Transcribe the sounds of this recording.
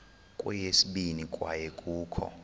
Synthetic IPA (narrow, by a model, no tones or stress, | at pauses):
kʼɛjesiɓinikʼwa̰jɛkʼuːkʰɔ̰